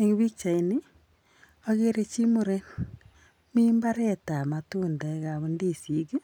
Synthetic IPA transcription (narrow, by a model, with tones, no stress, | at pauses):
eŋ˦βi˦k̚t͡ʃa˨ini˦ | o˦ɣe˦ɾe˨t͡ʃi˦mu˦ɾe˦n | mi˦mbaɾe˦ta˨ma˨tuːnda˨eɣa˨βu˦ndi˦˨si˨ɣe˦